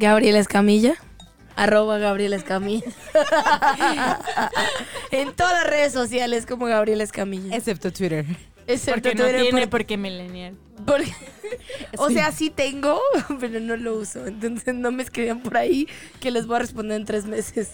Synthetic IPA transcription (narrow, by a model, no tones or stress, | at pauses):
ɡaβɾje̞leskamiʝa | aro̞βaɣaβɾje̞leskamiʝa | ent̪o̞ðaðlare̞ðes̬osjales̬ko̞mo̞ɣaβɾje̞leskamiʝaesep̚t̪ot̪wiɾeɾ | eseɾt̪onwiɾeɾenepoɾkemilenjal | poɾke̥ | ose̞asit̪e̞ŋɡo̞pe̞ɾo̞no̞lo̞uso̞ent̪o̞nsesno̞meskɾiβiampo̞ɾaike̞le̞zβo̞jare̞spond̪eent̪ɾe̞zme̞se̞s